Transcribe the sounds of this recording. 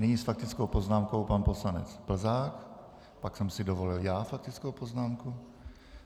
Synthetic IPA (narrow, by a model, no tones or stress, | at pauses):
nɪɲisfak̚t̪ɪt͡skowpo̞znaːmko̞wpanpo̞slanɛ̰t͡sb̥l̩zaːk | paksɛmsɪdovo̞lɪljaːfak̚t̪ɪt͡skowpoznaːmku